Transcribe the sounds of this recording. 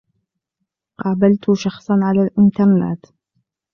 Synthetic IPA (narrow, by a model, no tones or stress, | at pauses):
qɑːbalt̪ʊʃɑxsˤɑnʕalaːlʔɪnt̪ɑɾˤna̰t̪